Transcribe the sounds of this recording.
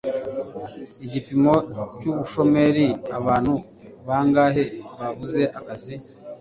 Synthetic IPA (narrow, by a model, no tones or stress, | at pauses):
iɟipimo̞cuβuʃo̞me̞ɾiaβaːnhu | βaŋɡaːɦe̞βaβuze̞ʔakazi